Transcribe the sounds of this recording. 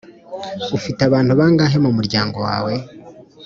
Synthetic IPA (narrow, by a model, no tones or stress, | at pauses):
ufitaβaːn̥huβaːŋɡaːɦe̞mumuɾɟaːŋɡo̞wa̰ːwe̞